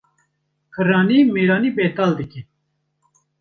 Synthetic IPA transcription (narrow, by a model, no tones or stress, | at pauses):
kʰɨɾɑːniːmeːɾaːniːbeːt̪ald̪ɨki